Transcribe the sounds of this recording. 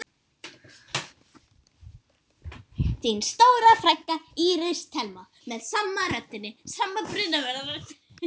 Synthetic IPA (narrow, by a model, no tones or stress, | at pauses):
θinst̪oːwɾafɾajhkːaiɾɪst̪ʰɛlma | mɛðsammarœt̪ːɪnːɪsamːapɾɪnavɛɾðaɾʏ